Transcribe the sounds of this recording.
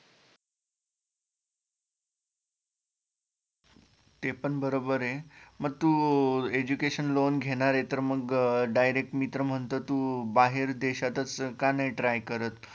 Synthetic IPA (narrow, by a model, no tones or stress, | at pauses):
t̪epəɳbəɾobəɾeməɡ̚t̪ued͡ʑukeɕənlonɡʱeɽ̃aɾet̪əɾməɡɖajɾek̚ʈmit̪ɾəm̤əɳt̪ət̪ubaɦeɾd̪eɕat̪ət͡skanajʈɾajkəɾət̪